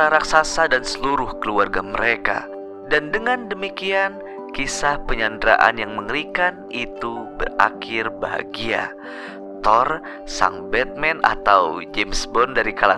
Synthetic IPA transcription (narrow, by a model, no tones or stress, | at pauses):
aɾaksasadansəluɾʊhkəluarɡaməɾeka̰ | dandəŋandəmikian | kisahpəɲandɾa̰ʔa̰njaŋməŋɾikan | it̪ubə̰ra̰kɪrbaɦa̰ɡia̰ | t̪ɔr | sa̰ŋbɛt̪̚mɛna̰t̪awd͡ʒemsbɔndaɾikala